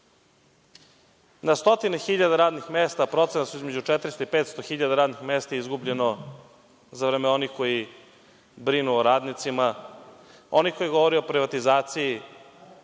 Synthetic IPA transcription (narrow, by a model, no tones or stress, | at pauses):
nast̪o̞t̪ine̞xiʎad̪aɾaːd̪nixmeːst̪apɾo̞t̪senat̪suizme̞d͡ʑut͡ʃet̪ɾist̪oipeːt̪st̪o̞xiʎad̪aɾaːd̪nixmeːst̪aizɡubʎe̞no̞ | zaʋɾeːmeo̞nixko̞ji | bɾinuoɾaːd̪nit̪sima | o̞niko̞jiɡoʋoɾioopɾiʋat̪izaːt̪siji